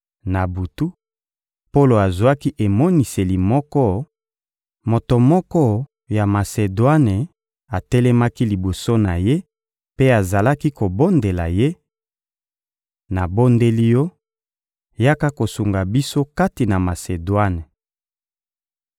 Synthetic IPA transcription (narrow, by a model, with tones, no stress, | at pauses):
na˨bu˨tu˦ | po˦lo˨a˨zwa˦ki˦ʔe˨mɔ˦ni˨se˨li˨mɔ˦kɔ˦ | mo˨to˨mɔ˦kɔ˦ | ja˨ma˨se˨dwa˦ne˨ | a˨tɛ˦lɛ˦ma˦ki˦li˨bo˨so˦na˨je˦ | pe˦a˨za˨la˦ki˦ko˨bo˦nde˨la˨je˦ | na˨bo˦nde˦li˦jɔ˦ | ja˦ka˦ko˨su˨ŋɡa˨bi˦so˦ka˦ti˨na˨ma˨se˨dwa˦ne˨